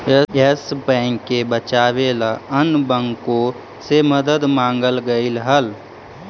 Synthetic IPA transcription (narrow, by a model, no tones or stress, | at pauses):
eesbɛ̃ːŋkːebət͡ʃaːʋelaənbəŋɡko | seməd̪əd̪mãːŋɡəlɡəɪlɦəl